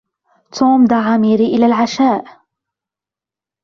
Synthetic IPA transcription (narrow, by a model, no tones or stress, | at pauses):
t̪ʰuːmd̪aʕamiːɾiːʔɪlalʕaʃaːʔ